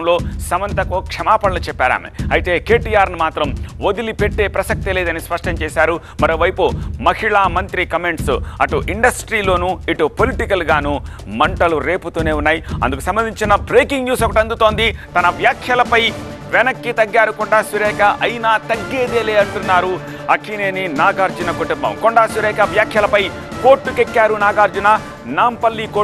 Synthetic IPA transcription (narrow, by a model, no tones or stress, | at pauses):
ɐmlo̞ːsɐʋɐnt̪ɐkoːkʂɐmaːpɐɭɐlɐt͡ʃɛpːaːɾa̰ːmḛɐjit̪e̞ːke̞ːʈiːaːɾnimaːt̪ɾɐmod̪ilipe̞ʈːe̞ːpɾɐsɐk̚t̪ile̞ːd̪ɐnispɐʂʈɐmt͡ʃɛːsaːɾu | mɐɾo̞ːʋɐjpumɐhiɭaːmɐnt̪ɾikɐme̞ɳʈsɐʈuʔiɳɖɐsʈɾiːlo̞ːnuːiʈupoliʈikɐlɡaːnuː | mɐɳʈɐluɾe̞ːput̪uːne̞ːunːaːjiɐ̰nd̪ukusɐmbɐnd̪iɲt͡ʃinɐbɾeːkiŋɡjuːsɐkːɐʈɐnd̪ut̪o̞ːnd̪it̪ɐnɐʋjaːkʰjɐlɐpɐj | ʋɛnɐkːit̪ɐɡːaːɾukɔɳɖaːsʋiɾɛːkɐʔɐjnaːt̪ɐɡːe̞ːd̪eːleːɐɳʈunːaːɾu | ɐkːine̞ːninaːɡaːɾd͡ʒunɐkuʈumbɐ̰mkoɳɖaːsʋiɾɛːkɐʋjaːkʰjɐlɐpɐj | ko̞ːɾʈːukekːaːɾunaːɡaːɾd͡ʒuna | naːmpɐlːiko